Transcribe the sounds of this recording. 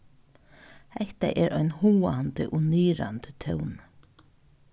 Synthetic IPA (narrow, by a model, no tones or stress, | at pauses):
hɛht̪a̰ʔɛɾʔɔjnhuːant̪ɪ̰ʔʊniːɾa̰nt̪ɪt̪ʰœwn